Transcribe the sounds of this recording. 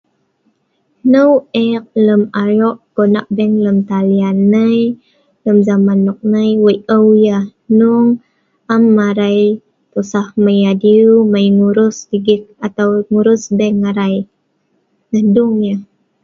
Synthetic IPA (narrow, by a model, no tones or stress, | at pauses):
nəwʔɛk̚ləmaɾɔʔɡ̥ona̰ʔbɛŋləmt̪alianːəj | ləmzamanːɔk̚nəjwəjʔəwjahnuŋ | amːaɾaj | t̪usahməjadiuməjŋuɾʊsdiɡik̚at̪awŋuɾʊsbɛŋːaɾaj | nəhduŋjah